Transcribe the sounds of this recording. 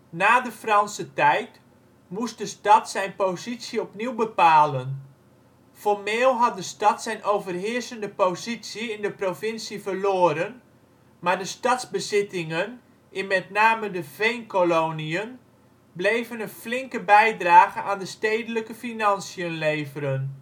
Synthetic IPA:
naːdəfrɑnsətɛjt | must̚dəstɑtsɛjnpozitsəɔpniwbəpaːlən | fɔrmɪːlˠɦɑt̚dəstɑtsɛjnʔowvərɦɪərsəndəpozitsiɪndəprovɪnsivərloːɾən | maːrdəstɑtzbəzɪtɪŋən | ʔɪnmɛtnaːmədəvejnkoloniən | blejvənənflɪŋkəbɛjdraːɣəaːndəsteːdələkəfinɑnsiənleːvəɾən

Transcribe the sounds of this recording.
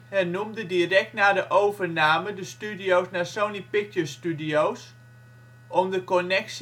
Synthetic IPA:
hɛnumdədiərɛk̚tnaːdəʔowvərnaːmədəstydijowsnasownipɪtjəstydijows | ʔɔmdəkɔnɛks

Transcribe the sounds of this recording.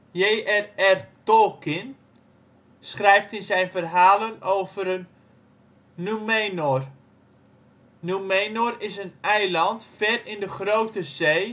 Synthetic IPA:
jeːɛrɛrtɔlˠkɪn | sχrɛjftɪnzɛjnvərɦaːlənowvəɾən | umenor | numejnorɪsənɛjlɑntfɛrɪndəχrowtəzej

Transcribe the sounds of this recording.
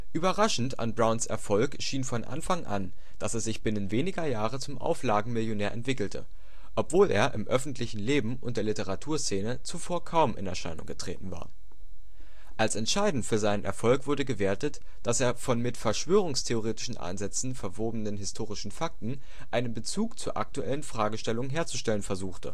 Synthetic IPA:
ʔyːbɐʁaʃn̩ta̰nbʁaʊnsʔɛ̰ɐfɔlkʃiːnfɔnʔa̰nfaŋʔa̰n | d̥asɛsz̥ɪçb̥ɪnənveːnɪɡɐjaːʁət͡sʊmʔa̰ʊflaːɡŋ̩mɪljonɛːɐʔɛ̰ntv̥ɪkl̩tʰə̰ | ʔɔpv̥oːlʔḛːɐʔɪ̰mʔœfn̩tʰlɪçn̩leːbm̩ʔʊ̰nt̚d̥eːɐlɪtəʁatʰuːɐst͡seːnət͡sufoːɐkʰaʊmʔɪ̰nɛ̰ɐʃa̰ɪnʊ̰ŋɡətʁ̥ḛːtn̩va̰ːɐ | ʔalsɛntʃaɪdn̩tfyːɐzaɪnənʔɛ̰ɐfɔlkv̥ʊɐdəɡəveːɐtət | d̥aseːɐfɔnmɪtfɛɐʃv̥øːʁ̞ʊŋstʰeoʁeːtɪ̥ʃn̩ʔa̰ɪnzɛt͡sn̩fɛɐvoːbənənɦɪstʰoːʁ̞ɪʃn̩fak̚tn̩ | ʔaɪnənbət͡suːkt͡suːɐʔa̰k̚tuʔɛ̰lənfʁ̥aːɡəʃtɛlʊŋənɦeːɐt͡suʃtɛlənfɛɐzuːxtə̰

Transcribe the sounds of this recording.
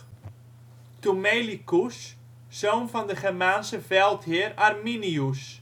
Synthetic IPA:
tumejlikus | soːnvɔndəχɛrmaːnsəvɛlˠthɪrarminius

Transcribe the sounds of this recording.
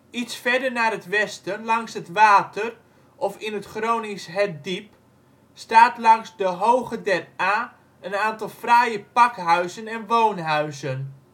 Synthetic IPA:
itsfɛrdərnaːrətʋɛstəlɑŋsɦətʋaːtər | ʔɔfɪnətχroːnisɦɛt̚dip | staːtlɑŋsdəɦowχədɛtaː | ənaːntɑlˠfrajəpɑkɦœɥzənɛnʋownɦœɥzən

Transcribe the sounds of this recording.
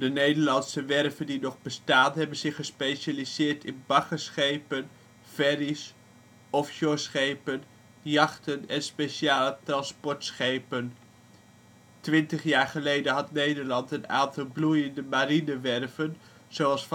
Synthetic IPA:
dənejdəɹlɑnsəʋɛrvəndinɔχbəstaːnɦɛbənz̥ɪχəspejʃalizɪːɹtʰɪnbɑχəsχejpən | v̥ɛris | ɔfʃosχejpən | jɑχtənɛnspeʃiaːlətrɑnspɔɹtsχejpən | tʋɪntəχjaːɹχəlejdənɦɑtnejdəɹlɑntəna̰ːntɑlˠblujəndəmaɾinəʋɛrvən | z̥oɑlˠsf

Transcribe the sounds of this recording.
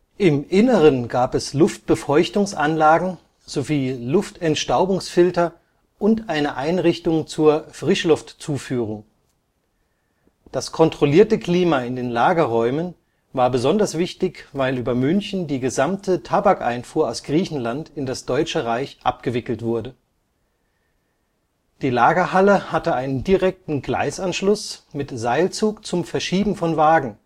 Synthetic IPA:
ʔɪmʔɪnəʁ̞ənɡaːpɛslʊft̚b̥əfɔʏçtʊŋsʔanlaːɡŋ̩ | z̥oviːlʊftʰɛntʃtaʊbʊŋsfɪltɐ | ʔʊntʔaɪnəʔaɪnʁɪçtʊŋt͡suːɐfʁ̥ɪʃlʊftt͡suːfyːʁʊŋ | d̥askʰɔntʁ̥oliːɐtəkl̥iːmaːɪndeːnlaːɡɐʁɔʏmən | vaːɐbəzɔndɐsv̥ɪçtɪçvaɪlʔyːbɐmʏnçn̩diːɡəzamtʰətʰabakʔa̰ɪnfuːɐaʊsɡ̥ʁiːçn̩lantɪndasd̥ɔʏt͡ʃəʁaɪçʔa̰p̚ɡ̥əvɪkl̩tv̥ʊɐdə | d̥iːlaːɡɐhaləhatəʔaɪnəndiʁɛk̚tn̩ɡla̰ɪsanʃlʊsmɪtz̥aɪlt͡suːkt͡sʊmfɛɐʃiːbm̩fɔnvaːɡŋ̩

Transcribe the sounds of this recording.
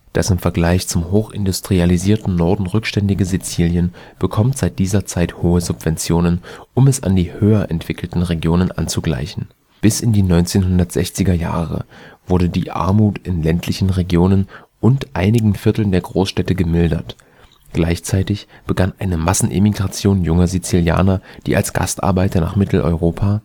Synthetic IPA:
d̥asɪmfɛɐɡlaɪçt͡sʊmhoːxʔɪ̰ndʊstʁ̥ializiːɐtn̩nɔɐdn̩ʁʏkʃtɛndɪɡəzit͡siːljən | b̥əkʰɔmtz̥aɪt̚d̥iːzɐt͡saɪthoːəzʊpv̥ɛnt͡sjoːnənʔʊmɛsa̰ndiːhøːɐʔɛntv̥ɪkl̩tn̩ʁeɡjoːnənʔa̰nt͡suɡla̰ɪçn̩ | b̥ɪsɪndiːnɔʏnt͡seːnɦʊndɐtz̥ɛ̰çt͡sɪɡɐja̰ːʁə̰v̥ʊɐdədiːʔa̰ɐmuːtɪnlɛntʰlɪçn̩ʁeɡjoːnən | ʔʊntʔaɪnɪɡŋ̩fɪɐtl̩ndeːɐɡʁoːsʃtɛtəɡəmɪldɐ̰t | ɡ̥laɪçt͡saɪtɪçb̥əɡanʔaɪnəmasn̩ʔɪ̰miɡʁat͡sjoːnjʊŋɐzit͡silja̰ːnɐd̥iːʔa̰lsɡ̥a̰stʔa̰ɐbaɪtɐna̰ːχmɪtʰl̩ʔɔ̰ʏʁoːpʰaː

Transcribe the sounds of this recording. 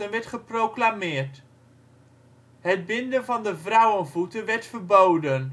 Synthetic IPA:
ənʋɛɹtχəprowklamɪːɹt | ɦəd̚bɪndənvɑndəvrʌwənvutənʋɛɹtfəɹbowdən

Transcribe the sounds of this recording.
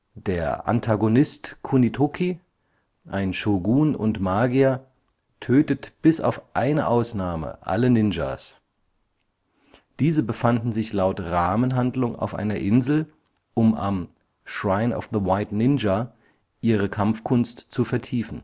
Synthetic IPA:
d̥eːɐʔa̰ntʰaɡonɪstkʰunitʰokʰi | ʔaɪnʃoɡuːnʊ̰ntmaːɡia | tʰøːtətb̥ɪsa̰ʊfʔaɪnəʔaʊsnaːmə̰ʔa̰lənɪnd͡ʒa̰s | d̥iːzəbəfandn̩zɪçlaʊtʁaːmənɦandlʊŋa̰ʊfʔa̰ɪnɐʔɪnzl̩ | ʔʊma̰m | ʃʁaɪnɔ̰fðəwaɪtnɪnd͡ʒa | ʔiːʁ̞əkʰamfkʰʊnstt͡sufɛɐtʰiːfn̩

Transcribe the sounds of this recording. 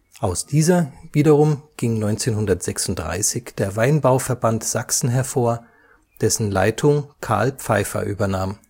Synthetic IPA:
ʔaʊsd̥iːzɐviːdɐʁʊmɡ̥ɪŋnɔʏnt͡seːnɦʊndɐtz̥ɛksʊntd̥ʁa̰ɪsɪçd̥eːɐvaɪnbaʊfɛɐbantz̥aksn̩ɦɛɐfoːɐ | d̥ɛsn̩la̰ɪtʰʊŋkʰa̰ɐlpp͡faɪfɐ̰ʔyːbɐnaːm

